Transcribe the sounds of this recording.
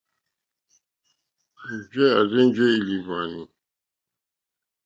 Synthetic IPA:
d͡ʒɛ˦a˨zɛ̃˦n˦d͡ʒɛ˦i˨li˨va˨ni˨

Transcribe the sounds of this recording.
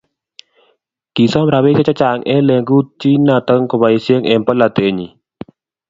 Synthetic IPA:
ki˨sɔ˦mɾa˧βe˦t͡ʃa˦t͡ʃa˦t͡ʃa˨ŋʔɛ˦lɛ˧ŋɡu˦t͡ʃi˦nat̪əŋkɔbaisiə˦ŋɛ˨mpəlat̪eɲi

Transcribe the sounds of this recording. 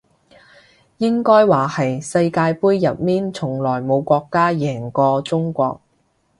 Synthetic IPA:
jɪ˥ŋkɔː˥jwaː˨˩hɐ˨jsɐ˧jkaː˧jpuː˥jːɐ˨t̚miː˥nt͡sʰʊ˨˩ŋlɔː˨˩jmo˨˧wkʷɔː˧kːaː˥jɛː˨˩ŋkɔː˧t͡sʊ˥ŋkʷɔ̰ː˧k̚

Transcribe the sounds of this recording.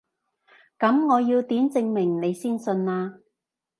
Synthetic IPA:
kɐ˨˥mŋɔː˨˧jiː˧wt̪iː˨˥nt͡sɪ˧ŋmɪ˨˩ŋne˨˧jsiː˥nsɵ˧nlaː˧

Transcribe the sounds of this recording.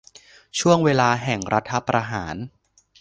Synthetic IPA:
t͡ɕʰu˥˩əŋweː˧laː˧ɦɛ˨˩ŋɾa˦˥t̪ʰːa˦˥pɾa˧ɦaː˩˦n

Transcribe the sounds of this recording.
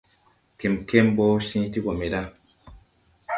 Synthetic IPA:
ke˨mke˦mbo˦sĩ˦ti˦ɡo˨me˨da˦˨

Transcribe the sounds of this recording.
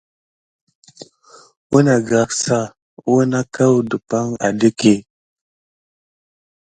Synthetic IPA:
wu˦na˨ɡa˨ksa˦ | u˦na˦ka˦wdə˨pa˦ŋa̰˨de˦ke˦˨

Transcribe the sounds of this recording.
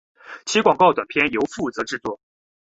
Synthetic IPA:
t͡ɕʰi˧˥kwɑ˨˩ŋkɑ˥˩ʊt̪wa˨˩npʰjɛ˥njo˧˥ʊfu˥˩t͡sɤ˧˥ʈ͡ʂɻ̩˥˧t͡swɔ˥˩

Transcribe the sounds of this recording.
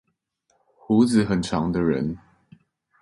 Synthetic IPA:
hu˧˦d͡z̩˨˦xə˨˩nʈ͡ʂʰɑ˧˦ŋd̪ə˧ɻə̰˧˦n

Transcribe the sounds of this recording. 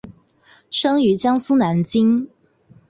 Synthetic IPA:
ʂɤ˥ŋy˧˥t͡ɕjɑ˥ŋsu˥na˨˧˥nt͡ɕi˥ŋ

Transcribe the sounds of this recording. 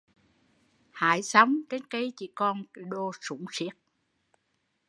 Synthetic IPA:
ha̰ː˧˨˦jsa˨˦wŋ͡mt͡ɕe˨˦nkə˨˦jt͡ɕḭ˧˩kɔ˧nɗo˧su˧˦ŋ͡msi˦˥ək̚

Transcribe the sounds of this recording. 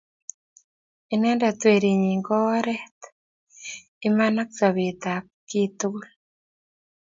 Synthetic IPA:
i˨nɛ˦nda˨t̪we˨ɾi˨ɲi˨ŋɡɔ˦ɾɛ˦t̪ | i˦ma˦na˦ksa˨βe˨t̪a˨p̚ki˦t̪u˦l

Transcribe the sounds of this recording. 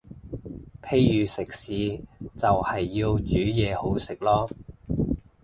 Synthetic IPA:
pʰe˥jjyː˨˧sɪ˨k̚siː˨˥t͡sɐ˨whɐ˨jːi˧wt͡ʃyː˨˥jɛː˨˧ho˨˥wsɪ˨k̚lɔː˥

